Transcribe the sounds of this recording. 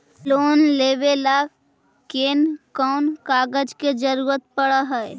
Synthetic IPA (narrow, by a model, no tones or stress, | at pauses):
loːnleːʋela | keːnkɔːnkaːɡəd͡ʒked͡ʒəɾuːɾət̪pəɽəɦɛ